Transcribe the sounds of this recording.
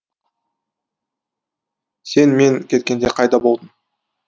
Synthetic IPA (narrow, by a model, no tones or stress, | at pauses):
se̞nme̞ŋkʲʰe̞t̪̚kʲe̞nd̪e̞qʰɑjd̪ɑbo̞lˠd̪əm